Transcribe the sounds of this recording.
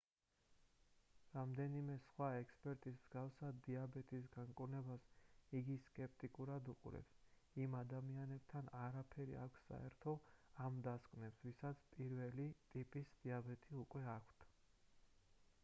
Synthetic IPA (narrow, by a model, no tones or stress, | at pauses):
ɾamd̪ɛnimɛsχwaɛkʰspʼɛɾt̪ʼismz̥ɡafsad̪d̪iabɛt̪ʼis̬ɡaŋkʼuɾnɛbasiɡiskʼɛp̚ʰt̪ʼikʼuɾad̪uqʼṵɾɛ̰ps | imad̪amianɛb̥̚t̪ʰanaɾapʰɛɾḭa̰kʷʰsa̰ɛɾt̪ʰɔamd̪askʼvnɛpsvisat̪sʰpʼiɾvɛlit̪ʼipʼisd̪̥iabɛt̪ʼʰiukʼwɛakʷʰt̪ʰ